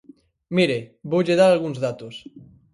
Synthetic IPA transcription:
miɾebowʎeðaɾalɣuŋzðat̪os

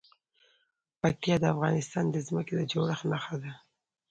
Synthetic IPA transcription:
pak̚t̪ijɑd̪əafɣɑnɪst̪ɑnd̪əzməked̪əd͡ʒoɽaxnaxad̪a

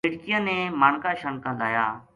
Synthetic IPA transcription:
ɪɽkɪjãːnẽːmaːɳkaːʃəɳkãːɗ̪aːjaː

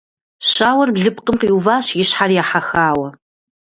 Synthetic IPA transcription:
ɕaːwɐrbɮɨpqəmqiwvaːɕjɪɕħarjaːħaxaːwɐ

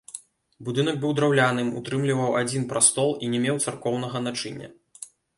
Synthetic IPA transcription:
bud̪ɨnɐɡ̚bɨwd̪ɾawlʲanɨmṵt̪ɾɨmlʲivɐwad͡zʲin̪pɾʔast̪ɔlˠinʲɛmʲɛwt̪sarkɔwnɐɣɐnat͡ʂɨnʲːɐ̰

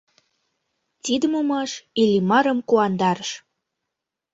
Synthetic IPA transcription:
t̪id̪əmomɑʃilʲimɑɾə̆mkuɑnd̪ɑɾəʃ

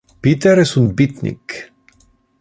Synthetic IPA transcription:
pit̪eɾesunt̪̚bit̪nḭk

